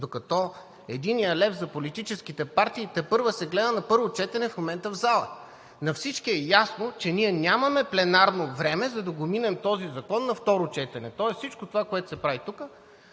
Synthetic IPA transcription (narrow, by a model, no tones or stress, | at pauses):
d̪okɐt̪ɔ | ɛd̪inijəlɛfzɐpolit̪it͡ʃɛskit̪ɛpaɾt̪iːt̪ɛpɤɾvəsɛɡlɛd̪ənɐpɤɾvot͡ʃɛt̪ɛnɛfmomɛnt̪əvzalˠə̰ | nɐfsit͡ʃkiɛjasnot͡ʃɛniɛnʲamɐmɛplɛnaɾnovɾɛmɛzɐd̪ɐɡominɛmt̪ɔzizɐkɔnːɐft̪ɔɾot͡ʃɛt̪ɛnɛt̪ɔɛssit͡ʃkot̪ovakoɛt̪ʊ̥sɛpɾavit̪ukə